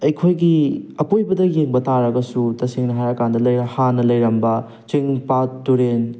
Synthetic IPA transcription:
ɐjkʰojɡiɐpojbɐdɐjeŋbɐtaɾɐɡɐsutɐsiŋnɐɦajɐkandɐlɐjɾɐhanɐlɐjɾɐmbɐ | t͡ʃiŋpatːuɾen

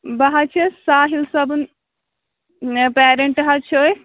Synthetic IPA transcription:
bɐɦat͡ʃʰɐsaːɦilsɐbun | peːɾeɳʈɦat͡ʃʰoːj

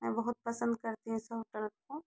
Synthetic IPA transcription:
mɛ̃bɐɦʊt̪̚pɐsə̃nd̪̚kɐɾt̪iɦũsɐɦoʈəlko

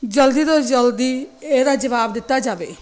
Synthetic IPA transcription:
d͡ʒəld̪iːd̪oːd͡ʒəld̪iːeːd̪aːd͡ʒəʋaːbd̪ɪt̪ːaːd͡ʒaːʋeː

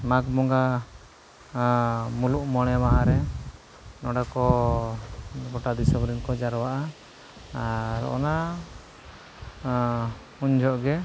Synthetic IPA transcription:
maɡmɔŋɡa | muluʔmɔɽ̃ɛmaʔaɾɛ | nɔɽakɔ | ɡɔʈad̪isɔbɾinkɔd͡ʒaɾɔwaʔa | aɾɔ̰na | uɲd͡ʒɔʔɡɛ

